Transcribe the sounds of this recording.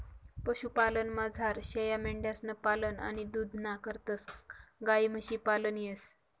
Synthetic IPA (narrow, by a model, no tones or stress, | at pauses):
pəɕupalənmad͡zʱaɾɕejameɳɖjasnəpaləna̰ɽ̃id̪uːd̪ʱnakəɾt̪əsɡajməɕiːpalənjes